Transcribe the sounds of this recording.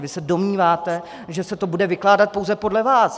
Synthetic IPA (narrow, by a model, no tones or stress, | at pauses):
vɪsɛdo̞mɲiːvaːt̪ɛ | ʒɛsɛt̪o̞budɛvɪklaːdat̪̚po̞wzɛpo̞dlɛvaːs